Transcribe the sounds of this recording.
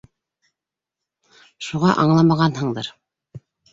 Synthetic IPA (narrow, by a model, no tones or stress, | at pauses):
ʃuʁɑʔɑɴlˠɑmɑʁɑnhɤ̆ɴd̪ɤɾ